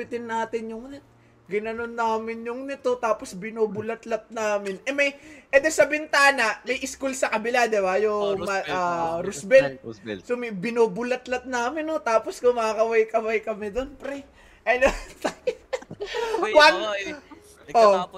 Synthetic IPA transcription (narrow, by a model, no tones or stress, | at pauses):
ɪt̪ɪnːaːt̪ɪnjʊŋnɐt̪̚ | ɡɪnɐnonːaːmɪnjʊŋnɪt̪o̞t̪aːposbɪnoːbʊlɐt̪lɐt̪̚naːmɪnʔɛmɐjʔɛd̪ɛsɐbɪnt̪aːnɐʔmɐjʔɪskulsɐkɐbɪlad̪ɛbajomɐʔaːɾʊsbɛnsomɐjbɪnoːbʊlɐt̪lɐt̪̚naːmɪnot̪aːposkʊmaːkɐwajkɐwajkɐmɛd̪onpɾɛ | ʔɐnot̪ɐj | wɐn | ʔo